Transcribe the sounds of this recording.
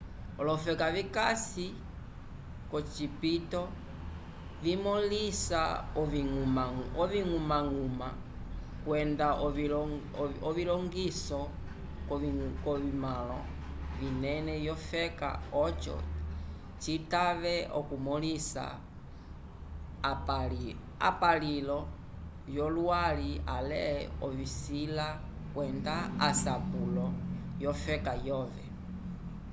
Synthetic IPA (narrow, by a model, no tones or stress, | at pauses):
ɔlɔfɛkavikasi | kɔt͡ʃipitɔ | vimɔlisa̰ɔimaɔviŋumaŋuma | kwɛnda | ɔvilɔŋɡisɔ | kɔβimalɔ | vinɛnɛjɔfɛka̰ɔt͡ʃɔ̰ | t͡ʃitaβɛɔkumɔlisa̰ | a̰palilɔ | jɔlwalia̰lɛɔβisila | kwɛndaasakulɔjɔfɛkajɔːvɛ